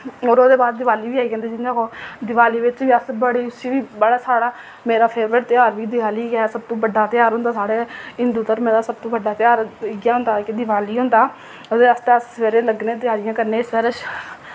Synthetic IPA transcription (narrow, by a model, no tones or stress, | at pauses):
oːɾoːd̪eːbaːd̪̚ːɪʋaːliːʋiːaːiɡɛ̃ːnd̪eːd͡ʒɪnãːkoːd̪ɪʋaːliːʋɪt͡ʃʋiːəsbəɽeːʊsiːʋiːbəɽaːsaːɽaː | meːɾaːpʰeːʋʋəɾt̪ɪjaːɾʋiːd̪ɪʋaːliːɡɛsəb̚t̪õːbəɖːaːt̪ɪjaːɾɦʊ̃nd̪aːsaːɽeːɪnd̪uːt̪əɾmɛ̃ːd̪aːsəb̚t̪õːbəɖaːt̪ɪjaːɾɡjaːɦʊ̃nd̪aːkɪd̪ɪʋaːliːɦʊ̃nd̪aː | od̪eːəst̪eəsʋeːɾeːləɡnẽːt̪ɪjaːɾɪjãːkəɾneːsəɾəʃ